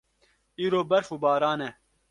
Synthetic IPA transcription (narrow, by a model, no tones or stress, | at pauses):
iːɾoːbɐɾfubɑːɾaːnɛ